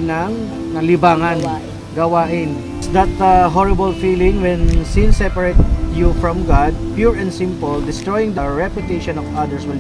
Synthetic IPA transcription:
nɐŋ | nɐlɪbaːŋɐn | ɡɐwaːʔɪn | sd̪ɐt̪ɦɔɹɪbəlfiːlɪ̃ŋwɛ̃nsinsɛpɐɹet̪̚jufɹɔ̃mɡad̪̚pjuɹɛ̃nd̪sɪ̃mpɔld̪ɪst̪ɹojɪ̃ŋd̪ɐɹɛpjʊt̪eʃɔ̃nɔvɐd̪ɛɹswɪl

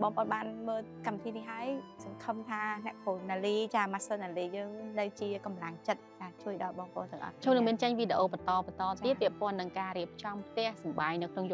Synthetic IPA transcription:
ɓɑːŋpəʔoːnɓaːnməːlkamʋit̪ʰiːniɦaəjsɑŋkʰəmt̪ʰaːnɛ̆əʔkʰuːnaːliːt͡ɕaːmasoːnaːliːjəːŋnɨwt͡ɕiəkɑmlaŋt͡ɕət̪̚t͡ɕaːt͡ɕuəjɗɑːlɓɑːŋpə̰ʔo̰ːnt̪ɨ̆əŋʔɑ̰ht͡ɕʰuːnɨŋmiənt͡ɕəɲʋiɗeʔoːpɑt̪ɑːpɑt̪ɑːt̪ʰiət̪̚pːɛ̆əʔpŏənːɨŋkaːɾiəp̚t͡ɕɑmpʰt̪ɛ̆əhsɑmɓaːɲnɨwkʰnoŋjʊ

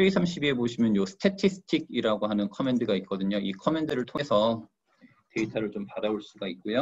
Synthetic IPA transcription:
eisʰamɕʰibie̞boɕʰimjʌnjosʰɯ̥tʰetʰisʰɯ̥tʰiɡ̚iɾaɡoɦanɯnkʰʌme̞ndɯɡaik͈ʌdɯɲoikʰʌme̞ndɯɾɯɭtʰoŋɦe̞sʰʌ | te̞itʰaɾɯɭt͡ɕompaɾaoɭs͈uɡaik̚k͈ojo

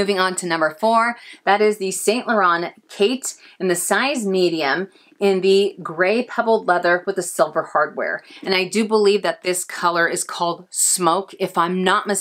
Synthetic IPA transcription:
ʉvɪ̃ŋə̃ntʰɨnʌ̃mbə˞fɔɹðɨɾɪzðɨsẽɪ̃nʔlə˞ɑ̃nkʰeɪɾ | ɨ̃nðɨsaɪzmiɾiɨ̃m | ɪ̃nðɨɡɹeɪpʰʌvl̩ˠdˡlɛðə˞wəðɨsɪlˠvə˞hɑɹd̚wɛ̰ɹɨ̃naɪdɨbəlivðɨt̪̚ðɪskʰʌlˠə˞ɨz̥kʰɔlˠd̥smoʊkɨfãɪ̃mnət̚mɨs

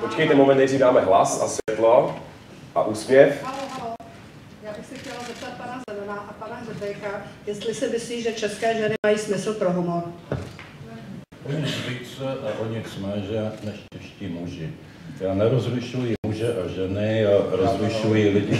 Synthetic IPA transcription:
pot͡ʃkɛjt̪ɛmomɛnt̪ɛriːdaːmɛɦla̰sa̰svʲjɛt̪lo | ʔa̰ʔuːspjɛfɦaloɦalo | jaːbɪxsɪxcɛlazɛp̚t̪at̪̚panazɛmanaʔapanaɦrɛbɛjkajɛst̪lɪsɪmɪsliːʒɛt͡ʃɛskɛːʒɛnɪmajiːsmɪsl̩pɾoɦumoɾ | ʔoɲɪt͡sviːt͡sɛʔaʔoɲɪt͡smɛːʒɛnɛʃt͡ʃɛʃciːmuʒɪ | jaːnɛɾozɾuʃujimuʒɛʔaʒɛnɪjaɾozɾuʃujilɪɟɪ

